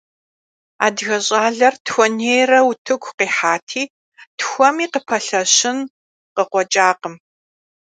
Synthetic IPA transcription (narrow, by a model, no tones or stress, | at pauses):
a̰ːdɣɐɕʼaːɮɐrtʰxʷɔneːjrɐwutʰɨɡʷqiːħaːtʰiː | txʷɔmiːqəpʰɐɬɐɕɪn | qəqʷɔt͡ʃʼaːqəm